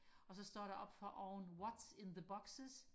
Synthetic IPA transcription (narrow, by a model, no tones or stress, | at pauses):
ɒ̽sɒ̽sd̥ɒ̰ːɾæʔɒ̽b̥fɒʔɒʊnwɒdsɪ̃nðəbɒɡ̥səs